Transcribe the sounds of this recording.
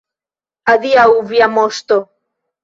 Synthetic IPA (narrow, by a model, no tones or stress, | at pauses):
aðiauβjamost̪o